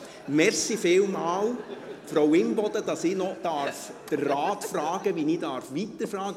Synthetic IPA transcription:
mɛɾsifɪːlmɑːlfɾowɪnbɔd̥̪əd̥ɑsinɔd̥ɑɾfd̥ərːaːtfrɑːɡ̥əʋiniːdɑɾfʋit̪əɾfɾɑːɡə

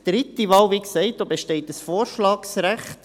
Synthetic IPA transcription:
d̪̥ɾɪtːiʋɑːwviksɛɪt̚d̥̪obeʃtɛɪtəsfoːɾʃlɑːksɾæχt

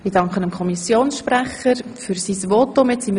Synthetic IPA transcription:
ɪd̥ɑŋkχənəmkʰɔmisjoːnsʃpræχəɾfyɾsisvot̪ːomɪtt͡sim

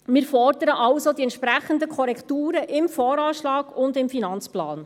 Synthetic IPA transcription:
mɪːɾfɔrdəɾəʔɑʊsodiɛnt̪ʃpɾæχəndəkʰɔɾɛktuːɾəʔɪmfɔːɾɑːʃlɑːɡʊndɪmfinɑnt͡splɑ̰ːn

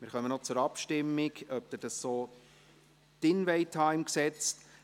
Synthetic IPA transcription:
mɪːɾχœmənɔt͡sʊɾɑpʃtɪmːɪɡœp̚d̪əd̥ɑssoː | d̥ɪnʋɛɪthɑːɪmksɛt͡s

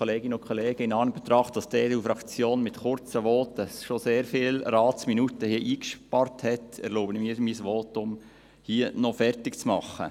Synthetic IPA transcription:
ɔleːɡɪnəʊnkʰɔleːɡ̥əɪnɑːnəb̥ɛt̪ɾɑχtd̥ɑsdeːdufɾɑkt͡sjoːnmɪtχʊɾt͡səʋɔːtəsʃoseːɾfɪːlɾɑːt͡sminutəhiəʔiːkʃpɑrthɛtɛɾloːbənmiːɾmisʋoːtʊm | hiənɔfɛrtɪkt͡smɑχːə̰

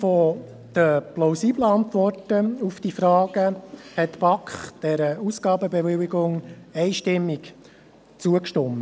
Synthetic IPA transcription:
fɔ | d̪̥əplaʊsiːbləɑnt̪ʋɔrtəufd̥ifɾɑːɡ̥əhɛt̪bɑkχd̥ɛɾəusɡɑːbəbɛʋɪwɪɡʊŋɛɪʃtɪmːɪk | t͡suəkʃtɔmːə

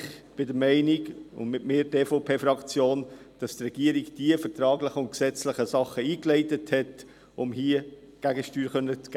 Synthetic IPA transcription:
χb̥ɪdəɾmɛɪniɡʊ̰nmɪtmɪːɾdeːfoʊpʰeːfɾɑkt͡sjoːn | d̥ɑstrɛɡ̥iːəɾiɡd̥iəfəɾtɾɑːɡlɪχəʊnt̚ksɛt͡slɪχəsɑχəiːklɛɪtəthɛt | ʊmhiə | ɡ̥æɡəʃtyːɾχœnːət͡sɡ̥

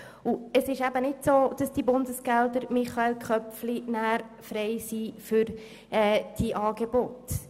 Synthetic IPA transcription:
uəsɪʃæb̥ənɪtsoːd̥ɑsd̥ibʊndəsɡ̥ɛld̪əɾmɪχɑelkχœpflinæːɾ | fɾɛɪsifʏɾ | ɛːd̥iʔɑːɡebot

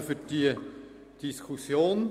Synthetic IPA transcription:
fyɾd̥iə | d̥iskʰusjoːn

